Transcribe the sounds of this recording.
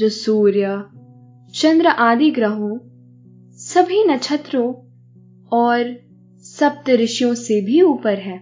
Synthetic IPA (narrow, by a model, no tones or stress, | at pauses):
ɐsuːɾjə | t͡ʃɐ̃nd̪ɾəʔaːd̪iɡɾəɦõ | sɐbʱinɐt͡ʃʰət̪ɾõ | ɔːɾ | sɐp̚t̪ɾɪʃjõsebʱiuːpəɾɦɛː